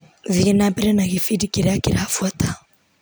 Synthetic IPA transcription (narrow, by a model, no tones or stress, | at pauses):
ziɛnapɛɾɛnaɣifidikiɾakiɾaafuata